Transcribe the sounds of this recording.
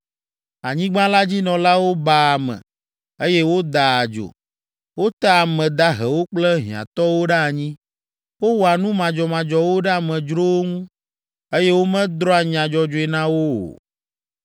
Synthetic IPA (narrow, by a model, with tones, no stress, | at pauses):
a˨ɲĩ˦ɡ͡bã˦la˦d͡ʑi˦nɔ̃˨la˦wo˦ba˨a˨mɛ̰̃˨ | e˦jɛ˦wo˦d̪a˨a˨d͡ʒo̰˨ | wo˦t̪a˦a˨mɛ̃˨d̪a˦ɦɛ˨wo˦k͡plɛ˦ɦḭ̃˨ã̰˨t̪ɔ˦wo˦ɖɛ˦a˨ɲĩ˦ | wo˦wo˨a˨nũ˦mã˨d͡ʒɔ˨mã˨d͡ʒɔ˨wo˦ɖa˨mɛ̃˨d͡ʒɾo˦wo˦ŋũ˦ | e˦jɛ˦wo˦mɛ̃˦d̪ɾɔ˦a˨ɲ˨ã˨d͡ʒɔ˨d͡ʒo˦ɛ˨nã˦wo̰˦˨